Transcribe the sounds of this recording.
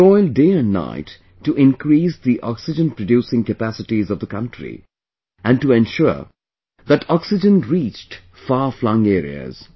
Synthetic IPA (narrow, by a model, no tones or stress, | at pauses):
ɔɪldeːɨ̃nna̰ɪtː | uʔɪ̃nkɾiːsd̪iʔɔ̰ksɪd͡ʒə̃npɹəɖjuːsɪ̃ŋkəpæsɪʈizʌvd̪əkʌ̃ntɹḭ | ʔæ̃nɖʈuɛ̃nʃʊɹ | ðæʈɔksɪd͡ʒə̃nɹiːt͡ʃʈ | faːflʌ̃ŋeːɾḭə̰z̥